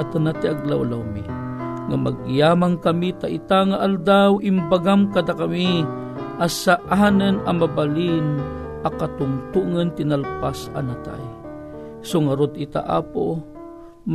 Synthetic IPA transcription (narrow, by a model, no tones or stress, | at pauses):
at̪anat̪iʔaɡlawlawmḭ | ŋamaɡ̚jaːmaŋkamit̪aʔit̪aŋaʔald̪awimbaɡamkad̪akami | ʔasaʔanənamabalin | akat̪ʊŋt̪uŋənt̪inalpasa̰nat̪a̰j | soŋaɾod̪it̪a̰ʔa̰po̰ | m